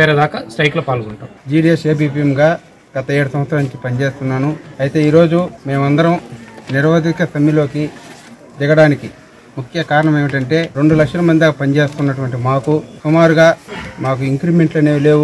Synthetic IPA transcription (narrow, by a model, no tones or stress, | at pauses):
t͡ʃeːɾed̪aːkɐsʈɐjklɐpaːlɐɡuɳʈɐːmd͡ʒiːɽijeʂeːb̬iːpiemɡaː | ɡ̥ɐt̪ɐeːɽusɐmʋɐt̪sɾaːniɲt͡ʃipɐnit͡ʃe̞ːst̪unːaːnuɐjit̪e̞ːiːɾo̞ːd͡ʒume̞ːmɐnd̪ɐɾɐmniɾʋɐd̪ikɐt̪ɐmːilo̞ːki | d̪ɛɡɐɽaːniki | mukʰjɐkaːɾɐɳɐmeːʋiʈɐɳʈe̞ːɾe̞ɳɖulɐkʂɐlɐmɐnd̪idapɐnit͡ʃe̞ːst̪unːɐʈuʋɐɳʈ̬imaːkusumaːɾuɡaːmaːk̬uiŋkɾibme̞ɳʈlɐneːle̞ːwu